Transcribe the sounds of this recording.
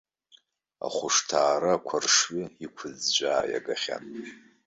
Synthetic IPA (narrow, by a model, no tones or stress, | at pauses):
a̰χʷʊʂtʰaːɾakʷʰarʂɥiikʷʰʊzd͡ʒʷaːja̰ɡaχʲa̰n